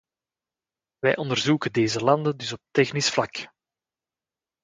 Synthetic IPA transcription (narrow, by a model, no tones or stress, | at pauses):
ʋɛjʔɔndərzuːkədeːzəlɑnd̪əndʏsɔp̚t̪ɛxnɪsflɑk